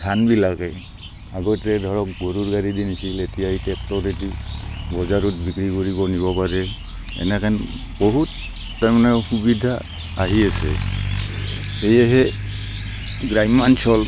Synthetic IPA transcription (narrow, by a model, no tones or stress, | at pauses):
tʰanbilakɛ | aɡɔtɛdʱɔɹɔk̚ɡoɾuɹɡaɾidinisiletijaitɛptɔɾedibɔzaɹut̚bikɹikoɹibɔniβɔpaɹɛ | ɛ̰nɛkan | bɔɦutː | aɹmanaɹxubidʱa | aɦiasɛ̰ | ejɛɦɛ | ɡɹajmansɔl